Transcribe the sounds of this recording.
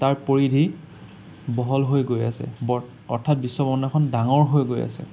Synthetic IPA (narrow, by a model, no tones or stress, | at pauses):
taɹpoɹidʱi | bɔɦɔlɦojɡojasɛ̰bɔɹ | ɔ̰ɹtʰat̚bisːɔbɔnɛkʰɔndaŋɔɹɦojɡoja̰sɛ̰